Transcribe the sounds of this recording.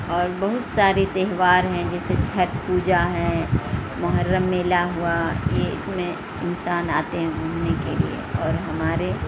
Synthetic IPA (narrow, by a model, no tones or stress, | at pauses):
ɔːɾbɐɦʊt̪saːɾet̪ɛɦʋaːɾɦɛ̃d͡ʒɛːset͡ʃʰɐɾʈ̪puːd͡ʒaɦɛ̃mʊɦəɾːəmːeːlaɦuajeɪsmẽ | ɪnsaːnaːt̪eɦɛ̃mʊɦnekelḭḛɔːɾɦɐmaːɾe